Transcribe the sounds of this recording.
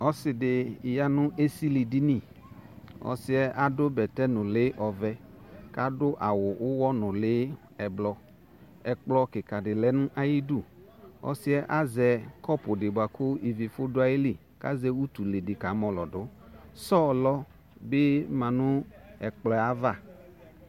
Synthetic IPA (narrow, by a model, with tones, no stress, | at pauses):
ɔ˦sɪ˨dɪ˨ja˦nʊ̃˦ʔe˦si˦li˨di˦nĩ˦˨ | ɔ̰˨sɪ˦ɛ˦ʔa˨˦dʊ˦bɛ˨tɛ˦nʊ̃˨lɪ˦ʔɔ˨vɛ˦ka˦dʊ˦ʔa˨wʊ˨ʔʊ˦wɔ˦nʊ̃˨lɪ˦ | ɛ˨blɔ˨ | ɛ˨k͡plɔ˧kɪ˨ka˨dɪ˨lɛ˨˦nʊ̃˦ʔa˦ji˦du˦˨ | ɔ̰˦sɪ˦ɛ˦ʔa˦zɛ˨kɔ˦pʊ˨dɪ˨bʊ˨a˨kʊ˦i˨vi˨fʊ˦dʊ˦a˦ji˦li˦˨ | ka̰˦zɛ˦wu˦tu˨le˨dɪ˨ka˨˦mɔ˨lɔ˨dʊ˨˦ | sɔ˦lɔ˦ | bɪ˦mã˨nʊ̃˦ɛ˨k͡plɔ˨a˦va˦˨